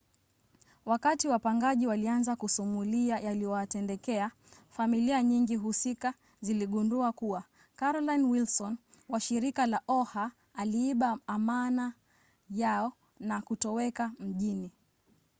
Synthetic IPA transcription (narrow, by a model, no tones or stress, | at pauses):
wakatiwapaŋɡaʄiwalianzakusumuliajalijɔatɛndɛkɛa | familiaɲiŋɡiɦusika | ziliɠunduakuwa | kaɾɔlanwilsɔnwaʃiɾikalaʔɔhaː | liiɓaːmana | jaɔ | nakutɔwɛkam̩ʄini